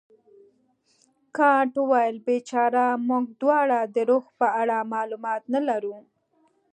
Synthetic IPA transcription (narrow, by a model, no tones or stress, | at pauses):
kɑʈwɑjlbet͡ʃɑɾamuɡ̚d̪wɑɽad̪əɾoɣpəaɽamɑlumɑt̪nalaɾu